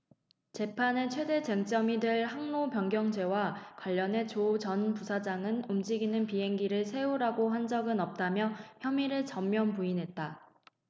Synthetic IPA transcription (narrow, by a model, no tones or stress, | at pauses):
t͡ɕe̞pʰane̞t͡ɕʰwe̞de̞t͡ɕeŋt͡ɕ͈ʌmidwe̞ɭhaŋnopjʌŋɡjʌŋd͡ʑe̞wakwaʎːʌne̞t͡ɕot͡ɕʌnpusʰad͡ʑaŋɯnumd͡ʑiɡinɯnpiɦe̞ŋɡiɾɯɭsʰe̞uɾaɡoɸwand͡ʑʌɡɯnʌp̚t͈amjʌçjʌmiɾɯɭt͡ɕʌmːjʌnpuinɦe̞t̚t͈a